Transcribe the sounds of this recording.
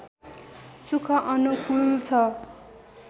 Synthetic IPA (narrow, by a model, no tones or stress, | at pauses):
sukʰʌʔʌnukult͡sʰʌ